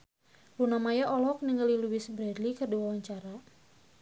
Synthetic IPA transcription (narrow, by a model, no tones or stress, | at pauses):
runamajaʔɔlɔk̚niŋəliluwɪsbəɾadlikərduawaɲt͡ʃaɾa